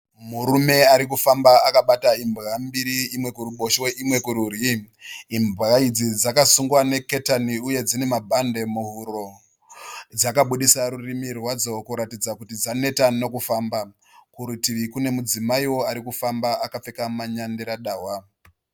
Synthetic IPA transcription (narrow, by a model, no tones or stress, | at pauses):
muɾume̞aɾik̬ufambaakaɓataimbɣambiɾiimwe̞kuruɓoʃeʔimwe̞kuɾuriː | mbraid͡zid͡zakasuŋɡwane̞ke̞taniuje̞d͡zine̞mabʱande̞muɦuɾo̞ | d͡zakaɓuɗisaɾurimirwad͡zo̞kuɾatid͡zakutid͡zane̞tano̞kufaːmba | kuɾitiʋikune̞mud͡zimaiwo̞aɾikufambaakap͡fe̞kamaɲandiɾaɗaːɦwa